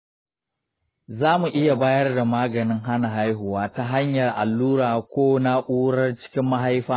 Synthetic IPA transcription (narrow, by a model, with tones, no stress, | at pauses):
zaː˦mu˨ʔɪ˦ja˨baː˦jɐ˦rda˨maː˦ɡɐ˨nɪ˦ŋɦa˦na˨ɦa˦jɦʊ˨waː˦ta˦ɦa˦ɲjɐ˨rʔa˨lːuː˦ɾaː˨kʷoː˦na˦ʔʷuː˦ɽɐ˦rt͡ʃɪ̥˦kʲɪ˦mːa˦ɦa˦jɸaː˦